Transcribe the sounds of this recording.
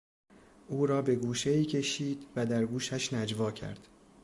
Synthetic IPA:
ʔuːɾɒːbe̞ɡuːʃeiːcʲʰe̞ʃiːd̪̥væd̪æɾɡuːʃæʃnæd͡ʒvɒːcʰæ̰ɾd̪̥

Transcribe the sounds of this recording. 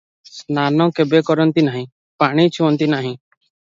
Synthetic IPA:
snanɔ̃kebekɔɾɔnt̪inaɦĩ | paɽ̃it͡ʃʰuɔnt̪inaɦĩ

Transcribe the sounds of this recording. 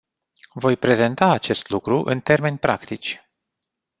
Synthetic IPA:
vo̞jpɾe̞ze̞nt̪aːt͡ʃe̞st̪lukɾuʔɨ̰nt̪e̞rme̞nʲpɾʔa̰kt̪it͡ʃʲ

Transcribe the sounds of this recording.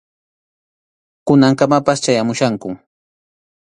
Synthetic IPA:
kʊnaŋkamapast͡ʃajamʊʃaŋkʊ

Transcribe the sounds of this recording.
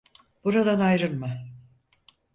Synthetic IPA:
b̥uɾad̪anajɾɯɾma

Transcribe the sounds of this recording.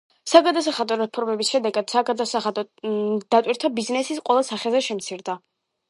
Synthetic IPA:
saɡad̪as̬aχad̪ɔɾɛpʰɔɾmɛbisʃɛd̪ɛɡad̪̥saɡad̪asaχad̪ɔd̪̥at̪ʼwiɾt̪ʰabiznɛsisqʼwɛlˠasaχɛzɛʃɛmt̪sʰiɾd̪a

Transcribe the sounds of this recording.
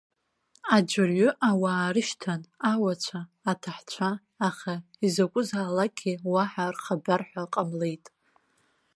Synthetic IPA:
ad͡ʒʷɪrɥʊʔawaːɾɨʃtʰanawat͡ɕʷʰaː | tʰaħt͡ɕʷʰaː | χaizakʷʼʊzaːlakʲʰʼiwaħarχabarħʷᶣaqʼamle̞jtʼ

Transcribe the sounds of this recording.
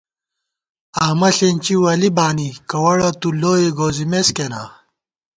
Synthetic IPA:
aːmɐɬent͡ɕiwɐlibaːnikɐwɐɽɐt̪uloːjeɡoːzimeskena̰ː

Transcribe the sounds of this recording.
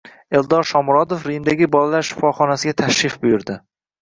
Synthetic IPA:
elˠd̪ɒɾʃɒmɾɒd̪ofɾijmd̪aɡʲɪbɒlalaɾʃɪ̥fɒχɒnasɪɡʲat̪ʰaʃɾɪfbʊjʊɾd̪ɪ

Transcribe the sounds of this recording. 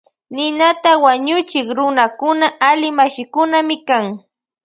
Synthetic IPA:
nɪnat̪awaɲʊt͡ʃɪkɾʊnakʊnaʔalɪmaʃɪkʊnamɪkaŋ

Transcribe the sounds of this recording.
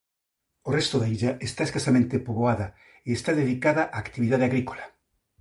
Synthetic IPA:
orest̪ʊðaiʎaest̪aeskasamẽnt̪epoβoaðɐ | eest̪aðeðikaðaʔaːkt̪iβiðað̞eaɣɾiko̥la

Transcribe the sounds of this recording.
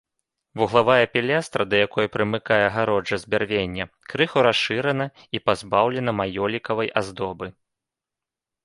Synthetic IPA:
vuɣlˠavajɐpʲɛlʲast̪ɾɐd̪ɐjakɔjɐpɾɨmɨkajɛɣaɾɔd͡ʐɐzʲbʲarvʲenʲːɐ | kɾɨxuɾasʂɨɾɐnɐ | ipazbawlʲɛn̪ɐmajɔlʲikɐvɐjʔazd̪ɔbɨ

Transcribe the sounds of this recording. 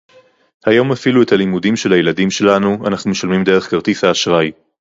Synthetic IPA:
hajo̞mafilue̞tʰalimudimʃe̞lajeladimʃe̞lanua̰naχnumeʃalmimde̞ʁeχkaʁt̪ishaːʃʁaj

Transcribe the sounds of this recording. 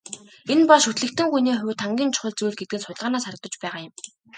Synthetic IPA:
enpɔɮʃut̪ɮɘ̆kt̪ɘ̆ŋxujniːχʊwt̪ʰaŋɡʲiːnt͡ɕʰʊ̥χə̆ɮt͡sujɮɡet̪̚ɡɘ̆nsʊt̪̆ʲɮʁaːnaːsaɾə̆k̚t̪ɞ̆t͡ɕpæːʁaːjʊ̆m

